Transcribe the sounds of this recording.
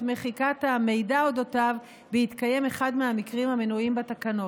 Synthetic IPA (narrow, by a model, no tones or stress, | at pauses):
me̞χikathame̞jdao̞do̞tav | behit̪kaje̞me̞χadmehamikʁimhame̞nuimbatakano̞